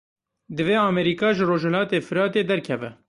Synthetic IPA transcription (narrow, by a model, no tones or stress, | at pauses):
d̪ɨveːɑːmɛɾiːkɑːʒɨroːʒhɛlɑːt̪eːfɨɾɑːt̪eːd̪ɛɾkʰɛvɛ̰